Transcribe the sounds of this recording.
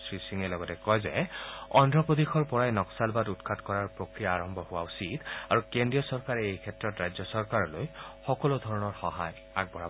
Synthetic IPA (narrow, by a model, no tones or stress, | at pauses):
sɹisiŋɛlɔɡɔtɛkɔjzɛ̰ɔndɹɔpodixʰɔɹpɔɹajnɔksalbadutkʰatkɔɹaɹpɹokɹijaːɹɔmbʱɔhʊwausidaɹukendɹijɔsɔɹkaɹɛejkʰɛtɹɔtɹajzjɔsɔɹkaɹɔlojxɔkɔlodʱɔɹɔnɔɹxɔɦaj | a̰ɡ̚bʱɔɹa